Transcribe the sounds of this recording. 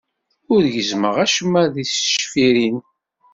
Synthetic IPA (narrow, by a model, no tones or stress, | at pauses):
ʊɾʝəzməʁæʃəmːæðisʃfiɾin